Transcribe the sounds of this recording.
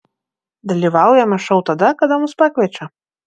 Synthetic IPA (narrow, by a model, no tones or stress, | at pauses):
d̪ɐlʲivawjamaʂɔwt̪ad̪akad̪amuspakvʲɛt͡ʃɐ